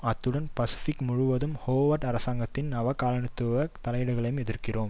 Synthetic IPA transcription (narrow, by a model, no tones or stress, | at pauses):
ɐt̪ːɯɽɐnpɐsɪ̥fɪkːmʊɻʊʋɐðɯmhoːʋɐʈɐɾɐsaːŋɡɐt̪ːɪnnɐʋɐkaːlɐɳɯt̪ːɯʋɐt̪ɐlɐjɪɽɐɣɐɭɐjɯmɛðɪɾkɪroːm